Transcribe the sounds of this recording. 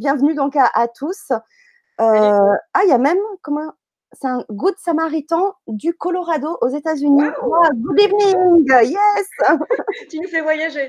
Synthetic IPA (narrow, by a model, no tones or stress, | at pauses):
bjɛ̃vnyd̪ɔ̃kaʔat̪ʰus | øaiamɛmkɔmɑ̃ | sɛɛ̃ɡud̪samaʁit̪ɑ̃d̪ykɔlɔʁad̪oʔozet̪azyniaɡubivniŋɡjɛs | t̪ynufɛvwajaʒe